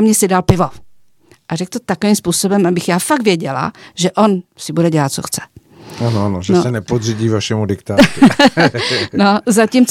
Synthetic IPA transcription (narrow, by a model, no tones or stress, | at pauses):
mɲɛsɪdalpɪvo | ʔarɛk̚t̪ot̪akovimspuːso̞bɛmabɪxjaːfak̚t̪vjɛɟɛla̰ʒɛʔonsɪbudɛɟɛlat̪̚t͡so̰xt͡sɛ̥ | anoanoʒɛnosɛnɛpodriɟiːvaʃɛmudɪkt̪aː | nozacimt͡s